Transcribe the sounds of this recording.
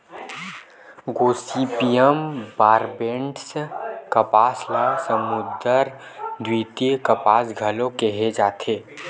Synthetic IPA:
ɡoːsiːpijəmbaːɾbẽɳɖskɐpaːslasəmʊd̪əɾ | d̪wiːt̪jekəpaːsɡʱəlõkeɦed͡ʒaːt̪ʰeː

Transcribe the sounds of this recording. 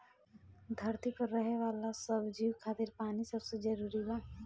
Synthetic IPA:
d̪ʱɐɾt̪ipɐɾːɐɦeʋaːlasɐbd͡ʒiːwkʰaːt̪ɪɾpaːnisɐbsed͡ʒɐɾuːɾibaː

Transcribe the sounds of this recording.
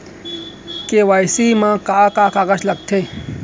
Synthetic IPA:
keʋaːjsiːmãːkakaːkaːɣɐslɐɡ̚t̪ʰeː

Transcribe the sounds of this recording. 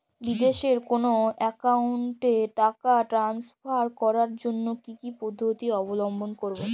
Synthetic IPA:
bid̪eʃeɾkonoɛkauɳʈeʈakaʈɾansfʰaɾkɔɾaɾd͡ʑonːokikipod̪ʱːot̪iɔbolombonkoɾbo

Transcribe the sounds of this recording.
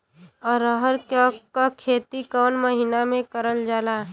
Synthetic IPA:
ɔːɾəɦəɾkɔːkkakʰeːt̪ikɔːnməɦinamẽkəɾəld͡ʒaːlaː

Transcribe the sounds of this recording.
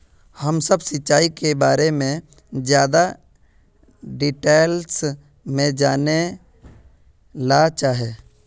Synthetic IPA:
həmsəbsɪtːt͡ʃaːikebaːɾemẽ | zjaːd̪a | ɖiʈeːls | mẽd͡ʒaːne | lat͡ʃaːɦeː

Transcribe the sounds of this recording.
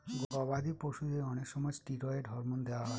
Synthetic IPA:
ɡɔbad̪ipoʃud̪eɔnekʃɔmɔjʈiɾɔeɖ̪ʱɔɾmond̪ewaɦɔ

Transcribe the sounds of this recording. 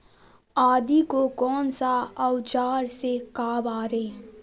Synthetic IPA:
aːd̪ikokɔːnsaəʊt͡ʃaːɾsekaːbaːɾeː

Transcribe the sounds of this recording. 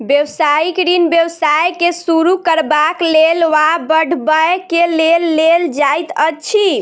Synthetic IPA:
bjəwsaikɾinbjəwsajkesuɾukəɾbaklelʋabəɖʱbəkelelːeld͡ʒajt̪əːt͡ʃʰi

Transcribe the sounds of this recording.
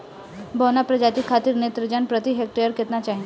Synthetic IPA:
bəwnapɾəd͡ʑat̪ikʰːat̪iːɾnet̪ɾəd͡ʑanpɾət̪iɦek̚ʈejəɾket̪nat͡ɕaɦĩ

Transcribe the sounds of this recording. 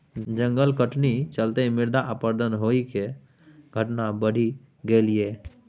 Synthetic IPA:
d͡ʒə̃ŋɡəlkəʈnit͡ʃəlt̪emɪɾd̪aʔəpəɾd̪ʱənɦoike | ɡʱəʈnabəɽ̤i | ɡəlie

